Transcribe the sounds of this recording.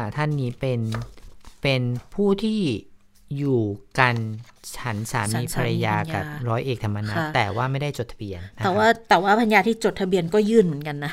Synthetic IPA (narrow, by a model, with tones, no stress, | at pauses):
t̪ʰa˥˩nːiː˦˥pe˧n | pe˧npʰuː˥˩t̪ʰiː˥˩ | juː˨˩ka˧nt͡ɕʰa˦˥nsaː˩˦miː˧pʰa˧ɾa˧jaː˧ka̰˨˩˧p̚ɾɔː˦˥jʔeː˨˩k̚t̪ʰa˧mːa˧naː˧˩t̪ɛː˨˩waː˥˩ma˥˩jda˥˩jt͡ɕo˨˩t̪ʰa˧bi˧ən˦ɛː˨˩waː˥˩t̪ɛː˨˩waː˥˩pʰa˧njaː˧t̪ʰiː˥˩t͡ɕo˨˩t̪ʰa˧bi˧ənkɔː˥˩jɯː˥˩nmɯ˩˦ənka˧nːa˦˥